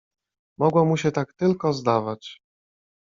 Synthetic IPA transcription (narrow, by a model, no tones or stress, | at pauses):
mɔɡwɔmuɕɛt̪akt̪ɘlkɔzd̪avat͡ɕ